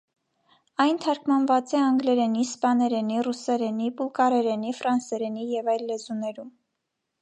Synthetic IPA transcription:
ɑjnt̪ʰɑɾkmɑnvɑt͡sɛɑŋɡlɛɾɛnispɑnɛɾɛnirusɛɾɛnibulkɑɾɛɾɛnifɾɑnsɛɾɛnijɛvɑjlːɛzunɛɾum

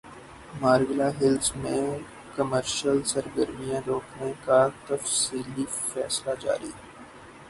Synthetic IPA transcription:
maːɾɡlaɦɪlsmẽ | kəməɾʃəlsəɾɡəɾmijãɾoːkʰnẽkat̪ɐfsiːli | fɛ̰ːslad͡ʒa̰ːɾḭːɛ

